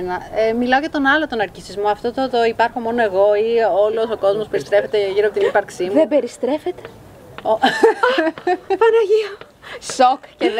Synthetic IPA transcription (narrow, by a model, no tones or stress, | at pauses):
nɐemilɐoʝɐt̪o̞nɐlo̞t̪onɐɾcisizmoɐft̪o̞t̪ot̪oipɐɾxo̞mo̞noe̞ɣo̞io̞lo̞so̞ko̞zmo̞spe̞ɾist̪ɾe̞fe̞t̪eʝiɾoɐpot̪inipɐɾksimuebeɾist̪ɾe̞fet̪e̥ | o | pɐnoʝio | sokce